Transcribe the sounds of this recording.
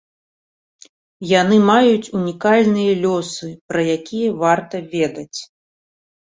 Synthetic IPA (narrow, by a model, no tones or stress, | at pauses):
janɨmajut͡sʲunʲikalʲnɨjɐlʲɔsɨpɾɐjakʲijɐvart̪ɐvʲɛd̪ɐt͡sʲ